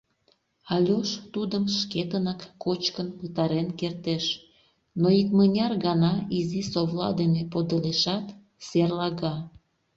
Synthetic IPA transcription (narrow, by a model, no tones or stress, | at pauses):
ɑlʲoʃt̪ud̪əmʃket̪ənɑkːot͡ɕkənpət̪ɑɾenkert̪eʃ | noikmənʲɑrɣɑnɑizisoβlɑ̰d̪enepod̪əleʃɑt̪ | serlɑɣɑ